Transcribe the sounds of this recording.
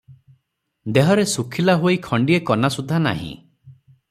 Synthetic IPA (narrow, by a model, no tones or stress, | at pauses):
d̪eɦɔɾesukʰilaɦoikʰɔɳɖiekɔnasud̪ʱana̰ɦḭ̃